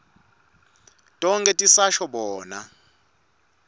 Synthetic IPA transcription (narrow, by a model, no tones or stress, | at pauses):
tʼɔŋkʼɛtʼisaʃɔɓɔːna